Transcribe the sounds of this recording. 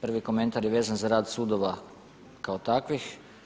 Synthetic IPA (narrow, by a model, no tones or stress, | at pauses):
pr̩ʋiko̞ment̪aɾjeʋe̞ːzanzaɾaːd̪suːd̪oʋa | kaot̪akʋix